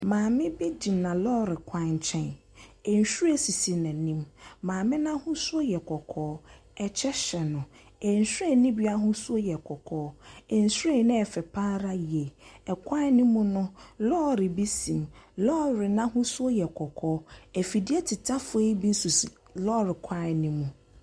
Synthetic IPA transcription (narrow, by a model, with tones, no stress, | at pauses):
mãː˨mɪ̃˦be˦dĩ˨mnã˨lɔ˦˨ɾɪ˨kʰʷã˦ɲ̩˨t͡ɕʰɛ̃˦n | ɛ˨n˨ɕᶣu˦ɾɛ˦si˨si˨nɛ̃˨nĩ˦mːãː˨mɪ̃˦nã˦hʊ̃˦su˦o˦jɛ˨kʰɔ˨kʰɔː˦ | ɛ˨t͡ɕʰɛ˦ɕɛ˨nʊ̃˨ | ɛ˨n̩˨sᶣɾɛ˦˨˦nĩ˦bi˦a˦ɦʊ̃˦su˦o˦jɛ˨kʰɔ˨kʰɔː˦ɛ˨n̩˨su˦ɾɛ˦˨nɪ̃˦ɛ˨fɛ˨pʰa˦ɾa˦ji˨e˨ɛ˨kʰʷa˦nĩ˦mũ˦nʊ̃˦lɔː˦ɾɪ˨bi˦sĩ˨mlɔ˦ɾɪ˨nã˦ɦʊ̃˦su˦o˦jɛ˨kʰɔ˨kʰɔː˦ɛ˨fi˨di˦ɛ˦tʰɪ˨tʰa˦fʊ˨˦e˦i˦bi˦n˦su˨si˨ | lɔ˦ɾɪ˨kʷʰa˦˨nĩ˦mũ˨